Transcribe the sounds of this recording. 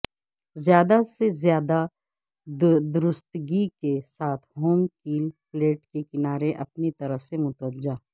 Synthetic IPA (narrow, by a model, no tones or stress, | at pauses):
zjaːd̪asezjaːd̪a | d̪ʊɾʊst̪ɡikesaːt̪ʰɦoːmkiːlpleːʈkekɪnaːɾeʔɐpnit̪ɐɾəfsemʊt̪ʋəd͡ʒaː